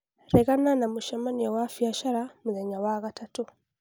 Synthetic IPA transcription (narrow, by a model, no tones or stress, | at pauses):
ɾɛɣananamuʃamaniawafiaʃaɾamuðɛɲawaɣatʰatu